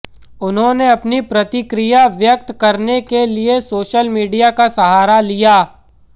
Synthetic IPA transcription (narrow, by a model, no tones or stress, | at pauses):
ʊnɦõneɐpnipɾɐt̪ɪkɾijaʋjək̚t̪kɐɾnekeliesoːʃəlmiːɖijakasɐɦaːɾalijaː